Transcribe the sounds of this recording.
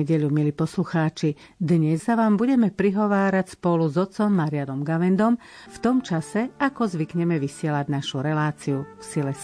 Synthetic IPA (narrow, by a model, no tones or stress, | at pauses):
ɛɟɛʎumiliːpɔsluxaːt͡ʃi | d̪ɲɛzːaʋaːmbuɟɛmɛpɾiɦɔʋaːɾacspɔluzɔt͡sɔmːaɾɪanɔmɡaʋɛnd̪ɔm | ft̪ɔmt͡ʃasɛakɔzʋikɲɛmɛʋisɪɛlaɟnaʃuɾɛlaːt͡siufsilɛs